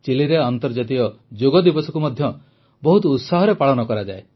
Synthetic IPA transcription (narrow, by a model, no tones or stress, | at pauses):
t͡ʃiliɾeant̪ɔɾd͡ʒat̪iɔd͡ʒoɡɔd̪ibɔsɔkumɔd̪ʱjɔ | bɔɦut̪ɔut̪saɦɔɾepaɭɔnɔkɔɾad͡ʒae